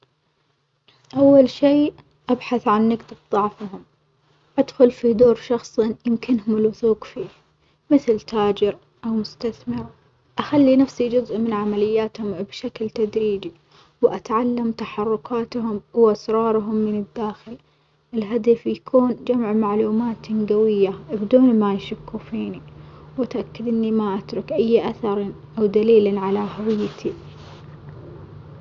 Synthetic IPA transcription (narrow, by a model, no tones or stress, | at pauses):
ʔawːalʃiː | ʔabħaθʕanːɪɡd̪ɪbðˤɑʕfɦʊm | ʔad̪xʊlfid̪oːɾʃɑxsˤjɪmkɪnhʊmɪlwʊθuːqfiː | mɪθlt̪aːd͡ʒɪɾ | ʔawmʊst̪aθmɪɾ | ʔaxalːinafsid͡ʒʊzʔmɪnʕamalɪjːaːt̪hʊmbʃaklt̪ad̪ɾiːd͡ʒi | wʔat̪ʕalːamt̪aħɑrˤːʊkaːt̪ɦʊmwʔasɾˤɑːɾˤɦʊmːɪnɪd̪ːaːxɪl | ʔɪlɦad̪afjakʰuːnd͡ʒamʕmaʕluːmaːt̪nɡawɪjːabd̪uːnmajʃakːufiːniwʔat̪ʔakːad̪ʔɪnːimaʔat̪ɾˤʊkʔajːʔaθɑɾˤ | ʔawd̪aliːlaʕalaɦawɪjːt̪ʰi